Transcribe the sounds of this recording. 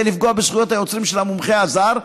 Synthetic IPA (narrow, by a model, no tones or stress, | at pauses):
lifɡoabeʃχujot̪hajo̞t͡sʁimʃelamumχeazaʁ